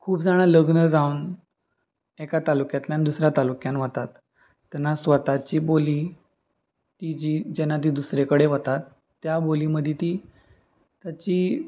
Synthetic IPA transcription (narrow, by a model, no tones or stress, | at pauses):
kʰuːpd͡zaɽ̃aləɡnəd͡zaun | ɛkat̪alukjat̪ljand̪usɾjat̪alukjanʋət̪at̪ː | ɛnasʋət̪at͡ɕiːboliː | t̪id͡ʑiːd͡ʑɛnːat̪̬iːd̪usɾekəɽeʋət̪at̪ː | jaboliməd̪ʱjet̪iː | t̪jat͡ɕiː